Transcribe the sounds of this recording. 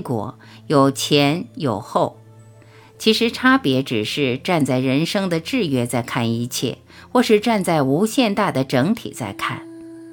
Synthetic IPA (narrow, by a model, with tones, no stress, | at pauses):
kwɔ̰˧˥ | jo˨˩ʊt͡ɕʰjɛ˧˥njo˨˩ʊxo˥˩ʊ | t͡ɕʰi˧˥ʂɻ̩˧˥ʈ͡ʂʰa˥pjɛ˧˥ʈ͡ʂɻ̩˨˩ʂɻ̩˥˧ʈ͡ʂa˥˧nt͡sa˥˩ɪɻə˧˥nʂɤ˥ŋd̪ə˨ʈ͡ʂɻ̩˥˩ɥɛ˥t͡sa˥˧ɪkʰa˥˩ni˧t͡ɕʰjɛ̰˥˩ | xwɔ˥˧ʂɻ̩˥˧ʈ͡ʂa˥˧nt͡sa˥˩ɪu˧˥ɕjɛ˥˧nt̪a˥˩d̪ə˩ʈ͡ʂɤ˧˥ŋt̪ʰḭ˨˩t͡sa̰˥˧ɪkʰa̰˥˩n